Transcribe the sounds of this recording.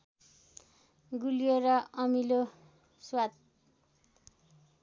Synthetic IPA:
ɡulijeɾʌʌmilo | swat̪̚

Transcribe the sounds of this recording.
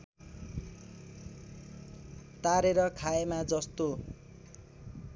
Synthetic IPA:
t̪aɾeɾʌkʰaemad͡zʌst̪o

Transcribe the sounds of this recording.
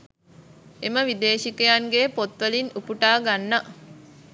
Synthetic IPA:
eməʋid̪eːʃikejaŋɡeːpot̪ʋəlinupuʈaːɡanːə

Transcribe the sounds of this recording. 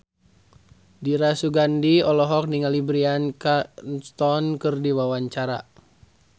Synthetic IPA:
diɾasuɡandiɔlɔɦɔk̚niŋalibɾiankat̪ɔnkɨrdiwawaɲt͡ʃaɾa̰

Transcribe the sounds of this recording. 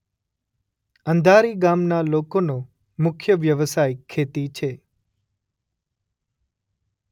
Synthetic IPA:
ənd̪ʱaɾiɡamnalokonõ | mʊkʰjəʋjəʋəsajkʰːet̪it͡ʃʰe

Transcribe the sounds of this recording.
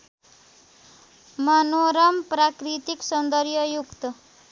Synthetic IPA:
mʌnoɾʌmprakrit̪iksʌnd̪ʌrjʌjukt̪ʌ

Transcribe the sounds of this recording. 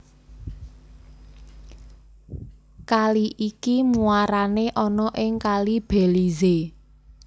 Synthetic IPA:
kaliʔikimuaɾaneʔɔnɔʔɪŋkalib̥ɛ̤lize

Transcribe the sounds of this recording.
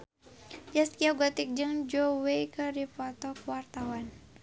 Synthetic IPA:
d͡ʒast̪kiaɡat̪ik̚d͡ʒɨŋd͡ʒowejkədipɔt̪ɔkwart̪awan

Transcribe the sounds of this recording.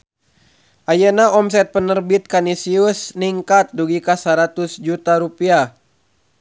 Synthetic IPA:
ʔajənaɔms̬ɛt̪̚pənərbit̪̚kanisiusniŋkat̪̚duɡikasaɾat̪usd͡ʒut̪aɾupia

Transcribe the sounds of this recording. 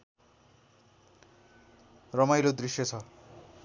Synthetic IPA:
rʌmajlod̪risjʌt͡sʰʌ

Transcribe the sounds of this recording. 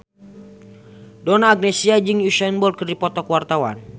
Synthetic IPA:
dɔnaːɡ̚nɛsiad͡ʒɨŋjuʃɛnbɔlkɨrdipɔt̪ɔkwart̪awa̰n

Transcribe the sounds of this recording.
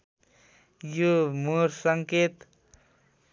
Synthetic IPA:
jumuɾsʌŋket̪

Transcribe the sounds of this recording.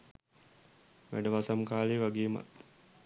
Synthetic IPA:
ʋæ̰ɖəʋasamkaːleːʋaɡeːma̰t̪

